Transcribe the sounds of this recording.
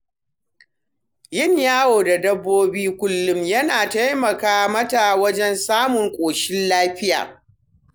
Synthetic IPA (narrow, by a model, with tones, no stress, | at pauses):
jɪ˦˨ɲjaː˦woː˨da˨dɐ˦bːoː˦biː˦kʷʊ˦lːʊ˦mjɐ˦naː˨ta˦jmɐ˨kaː˦mɐ˦ta˨wɐ˦d͡ʒɛ˦nsaː˦mʊ˨ŋkʷʼoː˨ʃɪ˦nlaː˦ɸɪ˦ja̰ː˨